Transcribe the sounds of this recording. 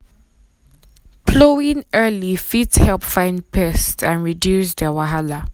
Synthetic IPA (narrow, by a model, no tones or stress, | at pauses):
pʰloĩnɜlifitshɛlˠpfãɪ̃nd̚pʰɛstsãnɹidjusdəwaɦala